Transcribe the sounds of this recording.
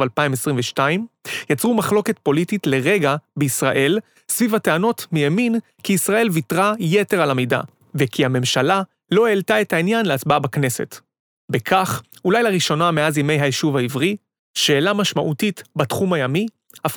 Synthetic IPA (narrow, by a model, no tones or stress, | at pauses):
valpaimesʁĩmveʃtaimjat͡sʁumaχlo̞ke̞t̚po̞lititle̞ʁe̞ɡabeisʁa̰ʔe̞l | svivhateano̞tmijamin | kiːsʁaʔe̞lvitʁajete̞ʁalamejda̰ | vekʰihame̞mʃala | lo̞eltaethainjanleat͡sbabakne̞se̞̰t | bekʰaχ | ulajlaʁiʃo̞nameazjeme̞jɦajeʃuvaivʁi | ʃe̞ːlamaʃmaʔutitbatχumajami | af